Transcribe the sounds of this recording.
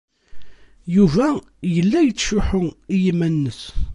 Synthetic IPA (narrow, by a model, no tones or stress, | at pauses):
juvæ | jəlːæjət͡sːʃʊħʊijimænːəs